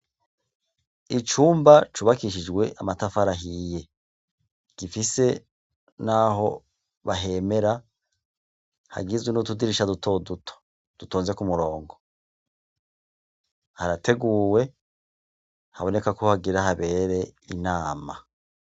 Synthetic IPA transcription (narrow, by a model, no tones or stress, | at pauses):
it͡ʃuːmbat͡ʃuβakiʃid͡ʒɡwe̞ʔamatafaɾaɦije̞ | ɡ̥ifise̞ | naɦo̞ | βaɦe̞me̞ɾa | ha̰ɡizwenutudiɾiʃadutʰo̞dutʰo̥ | d̥utoːnze̞kumuɾo̞ːŋɡo̞ | haɾate̞ɡuːwe̞ | haβo̞ne̞kakohaɡiɾahaβe̞ːɾe̞inaːma